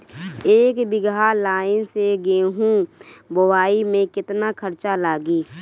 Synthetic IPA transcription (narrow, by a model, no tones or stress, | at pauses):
eːkbɪɡalaːɪnseɡeːɦũbəwaːimẽkɪt̪nakʰəɾt͡ʃalaːɡiː